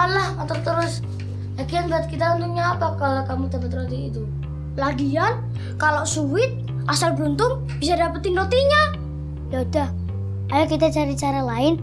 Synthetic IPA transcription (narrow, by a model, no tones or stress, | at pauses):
alahat̪at̪əɾʊs | laɡianbaat̪̚kit̪aunt̪ʊŋɲaːpakalakamudapat̪̚not̪iːt̪u | laɡian | kaloʔsuwɪt̪̚ | ʔasalbunt̪ʊŋ | bisadapat̪̚inot̪iɲa | jaudah | kalakit̪at͡ʃaɾit͡ʃaɾalaɪn